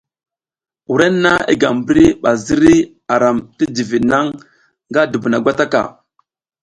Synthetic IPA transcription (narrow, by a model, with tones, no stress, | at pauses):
u˨ɾe˦nː˦a˦ḭ˦ɡa˨mbə˦ɾi˦ɓa˨zi˦ɾi˦ | a˨ɾa˨mti˦di˨vi˨na˦ŋ | ŋɡa˦du˨bu˨na˨ɡʷa˦ta˦ka̰˨